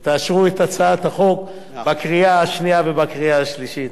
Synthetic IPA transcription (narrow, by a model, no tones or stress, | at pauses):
t̪aːʃʁuet̪at͡saat̪haχo̞k | bakʁiaaʃniavebakʁiaaʃliʃit̪